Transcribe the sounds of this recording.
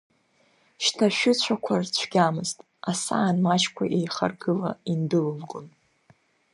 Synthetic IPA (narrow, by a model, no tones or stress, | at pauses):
ʃtʰaʃᶣʊt͡ɕʷʰakʷʰart͡ɕʷʰɡ̥ʲamɨztʼ | asa̰ːnmat͡ʃkʷʰa̰ʔejχa̰rɡɨla̰indɨlɨlɡon